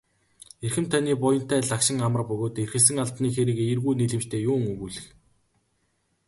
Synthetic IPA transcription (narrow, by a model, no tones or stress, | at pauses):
erxɘ̆mt̪ʰaniːpʊjə̆n̥t̪æːɮakʃɪ̆ŋamə̆rpɵɣoːt̪erxɘ̆ɮs̬ɘ̆ŋaɮp̪niːxeɾɘ̆ːɣeirɣuːniɮɘ̆mt͡ɕt̪ʰeːjʊːŋɵɣuːɮɘ̆x